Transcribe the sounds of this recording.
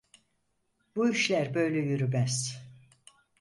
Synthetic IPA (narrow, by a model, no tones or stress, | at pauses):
buiʃlʲæɾbø̞jlʲɛjyɾymæz̥